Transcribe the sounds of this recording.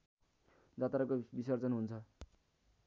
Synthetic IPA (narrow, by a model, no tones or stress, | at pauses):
d͡zat̪aɾakobisʌrt͡sʌnɦunt͡sʰʌ